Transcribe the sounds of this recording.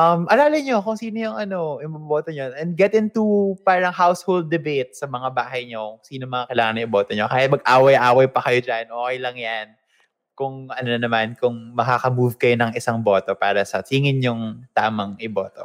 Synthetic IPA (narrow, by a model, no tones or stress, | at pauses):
ʔɐmʔɐlaːlɐɲo̞kʊŋsiːnojʊŋʔɐno̞ɪboboːt̪oɲonɛnd̪̚ɡɛt̪ɪnt̪upaːɾɐŋɦawshold̪ːɛbejt̪̚sɐmɐŋabaːɦɐjɲo̞kʊŋsiːnomɐŋakɐlaːŋɐnɐɪbo̞ːt̪oɲokaːhɪt̪̚mɐɡʔaːwɐjʔaːwɐjpɐkɐjod͡ʒanʔoːkɛjlɐŋjan | kʊŋʔɐnonɐmankʊŋmɐkakɐmuvkɐjo̞nɐŋʔɪsaŋbo̞ːt̪o̞paːɾɐsɐsiːŋɪnɲʊŋt̪aːmɐŋʔɪbo̞ːt̪o̰